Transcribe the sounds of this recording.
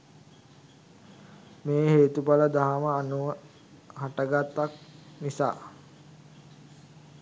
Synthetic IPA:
meːɦeːt̪ubaləd̪aɦaməanuʋə | ɦaʈəɡat̪ːak̚nisa̰ː

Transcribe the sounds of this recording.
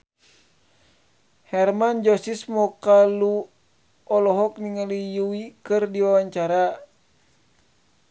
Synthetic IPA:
hɛrmand͡ʒɔsismɔkalu | ɔlɔɦɔk̚niŋəlijuwikɨrdiwawaɲt͡ʃaɾa

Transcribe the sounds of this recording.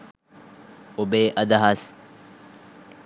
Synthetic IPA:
obeːʔɐd̪ɐɦɐs

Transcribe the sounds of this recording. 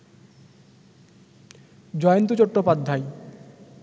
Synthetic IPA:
d͡ʑɔjont̪ot͡ɕoʈːopad̪ʱːaj

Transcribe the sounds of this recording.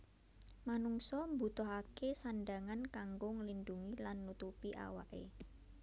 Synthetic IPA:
manuŋsɔmbut̪ɔɦakesanɖaŋankaŋɡʊŋlinɖuŋilanːut̪upiʔa̰wa̰ʔḛ

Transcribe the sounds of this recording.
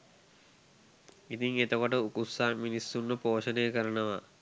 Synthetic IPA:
it̪iŋet̪okɐʈɐukusːaːminisːunːɐpoːɕɐnejɐkɐɾɐɳɐʋɐ

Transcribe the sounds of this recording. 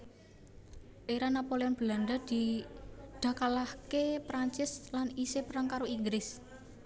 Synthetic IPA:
ʔeɾanapoleɔnb̥lanɖad̪̥i | ɖ̪̥ä̤kalahkepɾaɲt͡ʃɪslanisepɾaŋkaɾoiŋɡɾɪs

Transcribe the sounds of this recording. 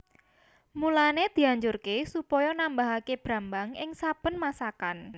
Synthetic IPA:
mulaned̪̥i̤aɲd͡ʒʊrkesupɔjɔnambaɦakeb̥ɾa̤mbaŋɪŋsab̥ə̤nmasakan

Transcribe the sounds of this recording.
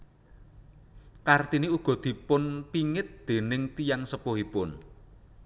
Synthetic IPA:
kart̪iniuɡ̥ɔ̤d̪̥i̤pʊnpiŋɪt̪̚d̪̥e̤nɪŋt̪ijaŋsəpohipʊn

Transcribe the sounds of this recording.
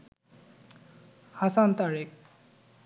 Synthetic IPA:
hasant̪aɹek̚

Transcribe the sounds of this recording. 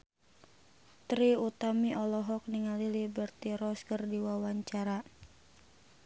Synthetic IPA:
t̪ɾiut̪amiʔɔlɔɦɔk̚niŋalilibərt̪iɾɔskərdiwawaɲt͡ʃaɾa

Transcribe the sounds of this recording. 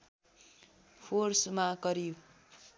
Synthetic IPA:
pʰorsmakʌɾi

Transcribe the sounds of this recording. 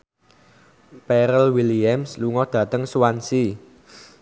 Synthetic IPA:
pɛɾəlwiliamsluŋɔd̪̥ä̤t̪əŋsuwansi

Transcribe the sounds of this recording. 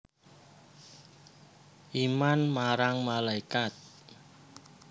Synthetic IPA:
ʔimanmaɾaŋmalaikat̪̚

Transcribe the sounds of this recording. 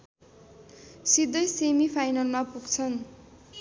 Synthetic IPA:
sid̪ʌjsemipʰajnʌlmapuɡt͡sʰʌn

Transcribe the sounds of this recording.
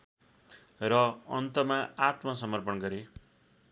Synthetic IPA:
rʌʌ̰nt̪ʌmaat̪mʌsʌmʌrpʌnɡʌɾe

